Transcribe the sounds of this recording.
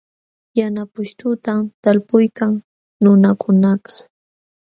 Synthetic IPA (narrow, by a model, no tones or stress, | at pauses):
janapʊʃt̪ʊt̪amt̪alpʊjkaŋ | nʊnakʰʊnaqḁ